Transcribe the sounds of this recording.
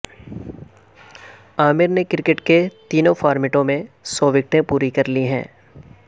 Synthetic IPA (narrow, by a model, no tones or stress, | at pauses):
aːmɪɾnekɪɾɪkɪʈket̪iːnõfʰaːɾmɪʈõmẽsɔːʋɪk̚ʈẽpuːɾikɐɾliɦɛ̰̃ː